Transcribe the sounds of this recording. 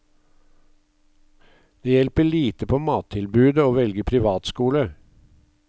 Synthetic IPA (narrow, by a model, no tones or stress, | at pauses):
d̪̥eːjɛlpəɭiːt̪əpʰoːmɑːt̪ʰɪlbʉːd̪əoːʋɛlɡəpʰɾɪʋɑːt̪skuːlə